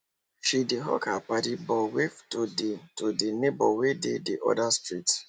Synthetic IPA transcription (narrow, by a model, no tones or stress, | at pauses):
ʃideɦɔ̰kapadibɔweftodetodenebɔwedediʔɔ̰dastɹit